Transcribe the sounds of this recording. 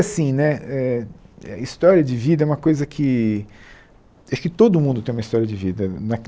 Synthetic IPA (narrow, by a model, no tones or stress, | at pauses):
asĩnɛɛɐ̰ist̪ɔɾiɐd͡ʒɪvid̪ɐɛũmɐkojzɐkʰɪ | waʃʊ̥kɪt̪od̪ʊmũnd̪ʊt̪ẽj̃umɐist̪ɔɾijɐd͡ʒɪvid̪ɐnɐ